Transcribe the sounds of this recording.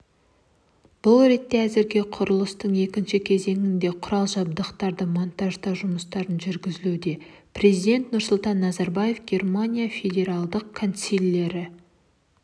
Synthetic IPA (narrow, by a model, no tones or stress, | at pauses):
b̥ʊlˠɾe̞t̪ːe̞æzɪɾɡʲe̞qʰʊɾəlˠəst̪əɴe̞kʲɪnʃɪkʲʰe̞ze̞ŋɪnd̪e̞qʰʊɾɑlˠʒɑb̚d̪əqt̪ɑɾd̪əmont̪ɑʒd̪ɑʒʊməst̪ɑɾənʒʏɾɡʲɪzɪlud̪e̞ | pre̞zijd̪ʲe̞nt̪nʊɾsʊlˠt̪ɑnːɑzɑɾbaje̞fɡʲe̞rmanʲijafʲe̞d̪ʲe̞ɾalˠd̪əq̚kʰont̪silʲːe̞ɾɪ